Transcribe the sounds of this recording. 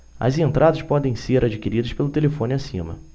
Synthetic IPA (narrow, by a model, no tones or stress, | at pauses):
ɐ̰zẽnt̪ɾʔad̪ɐspɔd̪ẽj̃seɾʔad͡ʒikiɾid̪ɐspelʊt̪elefõnɪasḭ̃mɐ̰